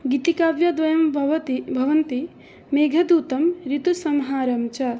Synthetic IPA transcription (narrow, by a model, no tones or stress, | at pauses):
ɡit̪ikabjɐd̪ʋɐjɐmbʱʋɐt̪ibʱɐʋɐnt̪i | meːɡʱɐd̪uːt̪ɐmɾit̪usɐmɦaːɾɐmt͡ʃɐ